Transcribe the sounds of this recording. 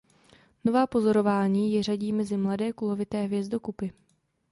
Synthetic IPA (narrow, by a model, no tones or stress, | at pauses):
no̞vaːpo̞zo̞ɾo̞vaːɲiːjɛraɟiːmɛzɪmladɛːkulo̞vɪt̪ɛːɦvjɛzdo̞kupɪ